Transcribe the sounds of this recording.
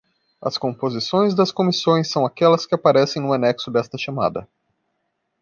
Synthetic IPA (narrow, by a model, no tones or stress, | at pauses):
ɐ̰skõmpozisõj̃zd̪ɐskomisõj̃sːɐ̃w̃akɛlɐskɪapaɾɛsẽj̃nũɐnɛksʊd̪ɛst̪ɐʃama̰d̪ɐ